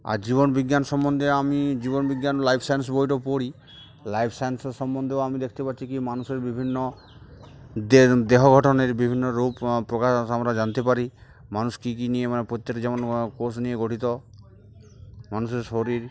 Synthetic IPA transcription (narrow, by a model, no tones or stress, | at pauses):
a̰ɾd͡ʒiβɔnbiɡjanʃɔmːɔnd̪ʱeamid͡ʑibɔnbiɡːjanlajpʰsajns̬boɦjʈɔpoɽi | lajpʰsanseɾʃɔmːɔnd̪ʱeoamid̪ekʰit̪epaɾt͡ʃʰikimanuseɾbibʱinːɔ | d̪d̪eɦɔɡʱɔʈɔneɾbibʱinːɔɾuppːɾokaʃʃamɾad͡ʒant̪epaɾi | manuskikinijemanepɾot̪ːekd͡ʒɛmonkos̬nieɡoʈit̪ɔ | manuseɾʃoɾiɾ